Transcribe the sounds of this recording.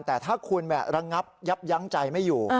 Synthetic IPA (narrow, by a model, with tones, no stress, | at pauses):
nt̪ɛː˨˩t̪ʰaː˥˩kʰu˧ənmɛ̰˨˩ɾa˧ŋa˦˥p̚ja˦˥p̚ja˦˥ŋt͡ɕa˧jma˥˩jːuː˨˩